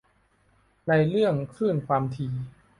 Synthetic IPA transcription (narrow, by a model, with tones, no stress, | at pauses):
na˧jɾɯ˥˩əŋkʰɾɯː˥˩nkʰwaː˧mt̪ʰiː˧